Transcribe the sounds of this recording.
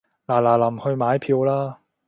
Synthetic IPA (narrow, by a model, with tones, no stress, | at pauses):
laː˨˩laː˨˩lɐ˨˩mhɵ˧ɥmaː˨˥jpʰiː˧wlaː˥